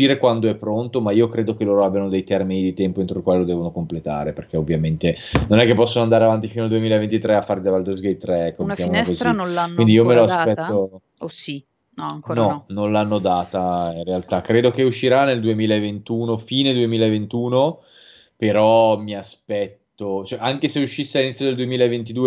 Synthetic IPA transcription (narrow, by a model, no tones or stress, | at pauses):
iːɾekwand̪oɛpːɾont̪omaiːokɾeːd̪okeloːɾoabjanod̪ejt̪ɛrminid̪it̪ɛmpoent̪ɾoilkwaːlelod̪ɛːvonokomplet̪a̰ːɾeperkeovːjament̪enonɛkːepːɔsːonoand̪aɾeavant̪̬ifinoald̪uemilaevent̪it̪ɾɛafːaɾid̪avald̪ozɡejt̪ːɾɛɛkːomkjamonɛskozianaknind̪iiomeloasppɛt̪ːo | osi | nɔaŋkonɔnolanːod̪aːt̪ainrealt̪akɾeːd̪okeuʃːiɾanːeld̪uemiːlaevent̪uːnofiːned̪uemiːlaevent̪uːno | peɾɔmiaspɛt̪ːot͡ʃɛʔaŋkeseuʃːisːealinit̪sjod̪eld̪uemiːlaevent̪̬id̪uːe